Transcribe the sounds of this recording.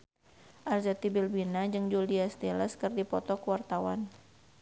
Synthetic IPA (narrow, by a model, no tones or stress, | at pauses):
ʔarzat̪ibilbinad͡ʒɨŋd͡ʒuliast̪iləskɨrdipɔt̪ɔkəwart̪awan